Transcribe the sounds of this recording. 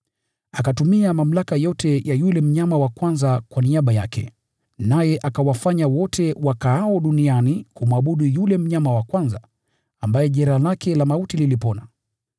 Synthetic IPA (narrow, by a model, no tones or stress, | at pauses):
akatumiamam̩lakajɔtɛjʔajulɛm̩ɲamawakwanzakwaniaɓaja̰kʰɛ̰ | najɛʔakawafaɲawɔtʰɛwakaaɔɗunianikumuaɓuɗijulɛm̩ɲamawakwanza | ambajɛʄɛɾalakʰɛlamautililipɔna